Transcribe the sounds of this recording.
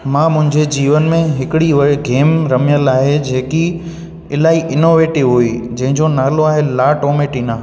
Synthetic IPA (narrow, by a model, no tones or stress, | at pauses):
mãːmʊ̃ɦɪ̃ɲd͡ʑed͡ʑiːʋənmẽɦɪkɪɽiɦʊɡeːmɾɐmijəlaːɦed͡ʑeːki | ɪlaːiʔɪnoːʋeːʈɪʋɦuid͡ʑɐ̃ɦɪ̃ɲd͡ʑonaːloaːɦelaːʈoːmeːʈiːnaː